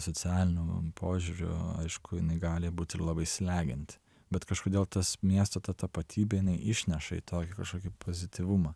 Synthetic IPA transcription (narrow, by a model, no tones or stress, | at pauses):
sot͡s̪ʲæːlʲɪnʲʊpʰoːʒʲuːɾʲʊ̰ɐ̰ɪʃkʰʊjɪnɐɪɡɑːlʲɪbuːt̪ʲɪɾlˠɑːbɐɪsʲlʲæːɡʲɪnʲt̪ʲ | bʲɛt̪kɐʃkoːd̪ʲeːlˠt̪ɐsmʲiɛst̪ot̪ɐt̪ɐpɐt̪ʲʰiːbʲejɪnɐɪʔɪʃʲnʲɛʃɐḭːt̪ʰoːkʲɪkɐʃkoːkʲipʰoːzʲɪt̪ʲiʋʊmɑ